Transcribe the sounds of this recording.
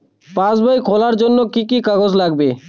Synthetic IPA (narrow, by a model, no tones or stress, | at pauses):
pãsbajkʰolaɾd͡ʑonːokikikaɡod͡ʑlaɡbe